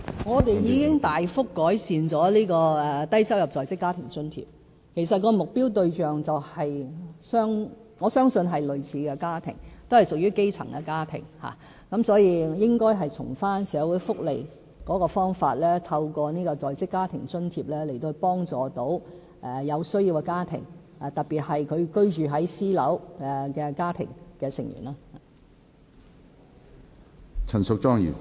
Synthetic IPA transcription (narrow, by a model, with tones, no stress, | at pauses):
ŋɔː˨˧t̪e˨jjiː˨˧kɪ˥ŋt̪aː˨jfʊ˥kːɔː˨˥jsiː˨nt͡sɔː˨˥liː˥kɔː˧ɛ˨t̪ɐ˥jsɐ˥wjɐ˨p̚t͡sɔː˨jst͡sɪ˥kːaː˥t̪ʰɪ˨˩ŋt͡sɵ˥nt̪ʰḭː˧p̚ | kʰe˨˩jsɐ˨t̚kɔː˧mʊ˨k̚piː˥wt̪ɵ˧ɥt͡ʃœː˨ŋt͡sɐ˨whɐ˨jsœː˥ŋ | ŋɔː˨˧sœː˥ŋsɵ˧nɦɐ˨jlɵ˨ɥt͡sʰiː˨˧kɛ˧kaː˥t̪ʰɪ̰˨˩ŋt̪o˥whɐ˨jsʊ˨k̚jyː˥ke˥jt͡sʰɐ̰˨˩ŋkɛ˧kaː˥t̪ʰɪ̰˨˩ŋha̰ː˨ | kɐ˨˥msɔː˨˥jiː˨˧jɪ˥ŋkɔː˥jɦɐ˨jt͡sʰʊ̰˨˩ŋfaː˥nsɛː˨˧wuː˨˥jfʊ˥k̚lḛ˨˩j | kɔː˨˥kɔː˧fɔː˥ŋfaː˧t̚lɛː˥t̪ʰɐ˧wkɔː˧niː˥kɔː˧t͡sɔː˨jt͡sɪ˥kːaː˥t̪ʰɪ˨˩ŋt͡ʃɵ˥nt̪ʰiː˧p̚lɛː˥le˨˩t̪o˧whpɔː˥ŋt͡sɔː˨t̪o˨˥w | ʔɛ˨jɐ˨˧wsɵ˥ɥjiː˧wkɛ˧kaː˥t̪ʰɪ̰˨˩ŋ | a˨t̪ɐ˨t̚piː˨t̚hɐ˨jkʰɵ˨˧ɥkɵ˥ɥt͡ʃyː˨ɦɐ˨˥jsiː˥lɐ˨˥wɛ˧kɛː˧kaː˥t̪ʰɪ̰˨˩ŋkɛː˧sɪ˨˩ŋjy̰ː˨˩naː˧˥˨ | t͡sʰɐ˨˩nsʊ˨k̚t͡ʃɔː˥ŋjḭ˨˩